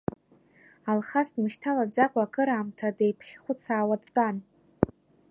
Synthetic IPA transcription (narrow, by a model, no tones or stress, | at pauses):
alχasdmɨʃtʰalad͡zakʷʼaːkʰʼɨɾaːmtʰadejpʰχʲχʷʊt͡sʰaːwadt͡pʼan